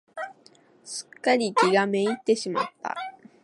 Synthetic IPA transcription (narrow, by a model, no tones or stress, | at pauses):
ɕɨ̥kːaɾʲikʲiɡame̞it̪ːe̞ɕima̰t̪ːa̰